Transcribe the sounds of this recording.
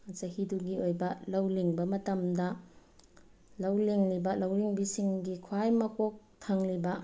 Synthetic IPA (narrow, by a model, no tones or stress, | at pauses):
ɐt͡ʃɐhiduɡiojbɐlɐwliŋbɐmɐtɐmdɐ | lɐwliŋlibɐlɐwliŋbisiŋɡikʰwajmɐkok̚tʰaŋlibɐ